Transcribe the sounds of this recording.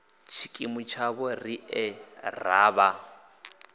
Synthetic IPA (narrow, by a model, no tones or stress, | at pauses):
t͡ʃʰi̥kʼimut͡ʃʰaβɔriɛraːβa